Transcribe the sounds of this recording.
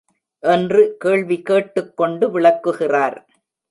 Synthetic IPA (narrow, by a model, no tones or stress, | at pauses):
ʔɛndrɯkeːɭʋikeːʈːɯkːɔɳɖɯʋɪɭɐkːɯɣɪraːɾ